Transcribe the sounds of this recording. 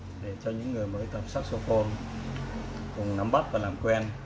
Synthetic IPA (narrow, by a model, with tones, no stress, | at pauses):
ɗe˧˩t͡ɕɔ˧ɲɨ̰˧˥ŋːɨ˨˩əjməː˨˦jt̪ə˨˩p̚saː˦˥t̚so˧fo˧n | kʊ˨˩ŋ͡mna˨˧˦mɓa˦˥t̚vaː˨˩laː˨˩mkwɛ˧n